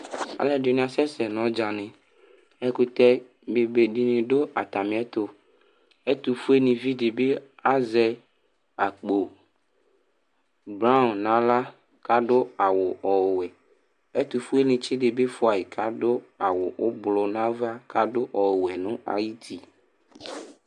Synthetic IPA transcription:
a̰˨lɛ˦do˨ñ˨ã˨sɛ˦sɛ˨nɔ̃˨˦d͡ʒa˨nẽ˨ | ɛ˦ku˦t̪ɛ˦ | be˨be˨ɖi˦nĩ˨ɖo˦a˨t̪a˨mĩ˨˦ɛ˦t̪o˦ | e˦t̪u˨fu˦e˦nĩ˨vi˦ɖe˨be˦a˦zɛ˨ | a˨k͡po˨ | bɾa˦˨nã˨la˦ | ka˦ɖo˦a˨wʊ˨ʔɔ˨wɛ˨ | e˦t̪u˨fu˦e˦nĩ˨t͡ʃi˦ɖe˨be˦fo˦a˨ji˨kʰa˦ɖo˦a˨wʊ˨ʊ˦blɔ˨nã˦va˦kʰa˦ɖo˦ʔɔ˨wɛ˨nũ˦a̰˨ji˦t̪ʰi˨

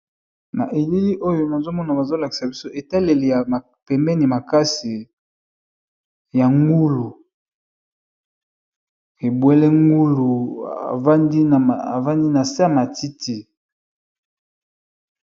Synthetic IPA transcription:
na̰˨ʔe˨li˦li˦ʔo˦jo˦na˨zo˦mɔ˦na˨ba˨zo˦la˨ki̥˨sa˨bi˦so˦ʔe˨ta˦le˨le˨ja˨a˨ | pɛ˨mbɛ˦ni˨ma˨ka˦si˨ | ja˨ŋɡu˦lu˨ | e˨bwɛ˦lɛ˦ŋɡu˦lu˨a̰˨va˦ndi˦˨a˨va˦ndi˦na˨sa˦a˦˨ma˨ti˦ti˨

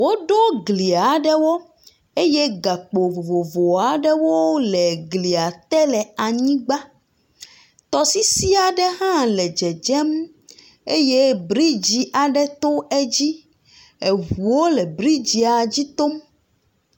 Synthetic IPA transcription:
wo˦ɖɔ˦ɡli˨a˨ɖɛ˦wɔ˦ | e˦je˦ɡa˨k͡po˨vo˨vo˨a˨ɖɛ˦wo˦lɛ˨ɡli˨a˨t̪ɛ˦lɛ˨a˨ɲĩ˦ɡ͡ba˦ | t̪ɔ˨si˦si˦a˨ɖɛ˦ɦã˦lɛ˨d͡ʒɛ˨d͡ʒɛ˦m | e˦je˦bɾi˦d͡ʑi˨ʔa˨ɖɛ˦t̪o˦ɛ˦d͡ʑi˦ | e˨ɦu˨wo˦le˨bɾi˦d͡ʑi˨a˨d͡ʑi˦t̪o˦m

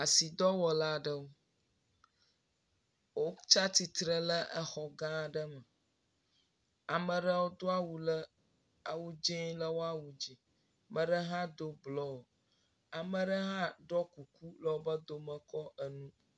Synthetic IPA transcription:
a˨si˨d̪ɔ˦wɔ˨la˦ɖə˦wo˦ | wo˦t͡ʃa˦t̪i˨t̪ɾə˦lə˦ʔə˦xɔ˨ɡã˦ɖə˦mə˨ | a˨mə̃˨ɖə˦wo˦d̪o˦a˦wu˨lə˦ | a˨wu˦d͡ʒɛ̃˦lə˦wo˦a˦wu˨d͡ʒi˨ | mə̃˨ɖə˦ɦã˦d̪o˦blɔ˦o˨ | a˨mə̃˨ɖə˦ɦã˦ɖɔ˦ku˨ku˦lə˨˦wo˦bə˦d̪o˦mə̃˨kɔ˦ə˦nũ˦

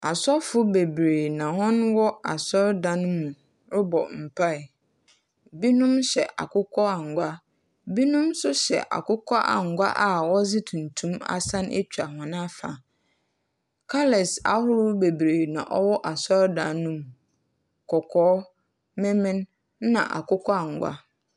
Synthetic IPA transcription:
a˨sɔ˦fʊ˦be˨bɾeː˨nã˨hɔ̃˦nwɔ˦a˨sɔ˦ɾdã˨˦n˦mũ˨ | ɾʊ˦bɔ̰˨m̩˨pʰa˦˨ɪ˨ | bi˦nũ˦mɕɛ̰˨ʔa̰˨kʊ˦kʰɔ˦a˨ŋ̩˨ɡʷa˦ | bi˦nũ˦msʊ˦ɕɛ̰˨ʔa̰˨kʊ˦kʰɔ˦ʔa̰˨ŋ̩˨ɡʷa̰˦ʔa˨wɔ˦zɪ˦tʰũ˨n̩˨tʰũ˦ma̰˦sã˦nʔḛ˦t͡ɕᶣa˨hɔ̃˨nã˦fa̰˨ | kʰa˦lɛ˨sa̰˨hʊ˦ɾʊ˦be˨bɾeː˨nã̰˨ʔɔ˦wɔ˦ʔa˨sɔ˦ɾdãː˨ũ˦m˨ | kʰɔ˨kʰɔː˨˦ | mɪ̃˦mɪ̃˦n | nã̰˨ʔa̰˨kʊ˦kʰɔ˦a˨ŋ˨ɡʷa̰˦

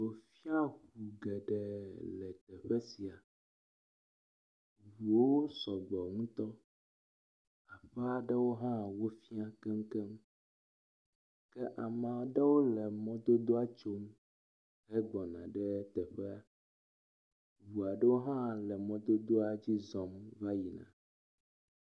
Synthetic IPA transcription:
o˨fi˦a˦xu˨ɡɛ˨ɖɛ˨lɛ˨t̪ɛ˨ɸɛ˦si˨a˨ | wu˨wo˦sɔ˨ɡ͡bɔ˨ŋũ˦t̪ɔ˦ | a˨ɸɛ˦a˦ɖɛ˦wo˦ɦã˦wo˦fi˦a˦kɛ˦m˦kɛ˦m | kɛ˦ʔa˨mã˨ɖɛ˦wo˦lɛ˨mɔ̃˦d̪o˦d̪o˦a˦t͡ʃo˦m | ɦɛ˦ɡ͡bɔ˨nã˨ɖɛ˦t̪ɛ˨ɸɛ˦a˨ | vu˨a˨ɖɛ˦wo˦ɦã˦lɛ˨mɔ̃˨d̪o˦d̪o˦a˨d͡ʑi˦zɔ˨mva˦ji˨nã̰˨

